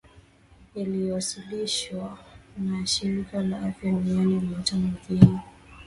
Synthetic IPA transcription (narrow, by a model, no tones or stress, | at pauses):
iliwasiliʃwanaʃiɾikalaʔafjadunianilatamavini